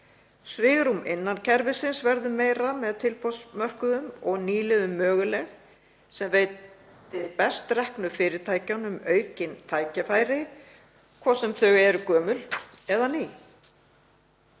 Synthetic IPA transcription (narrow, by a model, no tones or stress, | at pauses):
svɪːɣɾumɪnːancʰɛɾvɪsɪnsvɛɾðʏmeːjɾamɛðt̪ʰɪlpʰɔsmœr̥kʏðʏmɔɣniːlɪðʏmːœːɣʏlɛɣ | sɛmveːjt̪ | ɪpɛst̪rɛhknʏfɪːɾɪɾt̪ʰaːjcanʏmœːɥcɪnt̪ʰaːjcafaːjɾɪ | kʰvɔːsɛmθœɣɛɾʏkœːmʏl | ɛðaniː